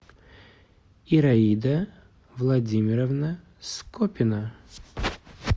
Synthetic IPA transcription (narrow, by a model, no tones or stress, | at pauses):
iɾɐid̪ə | vlˠɐdʲimʲɪɾəvnə | skopʲɪnə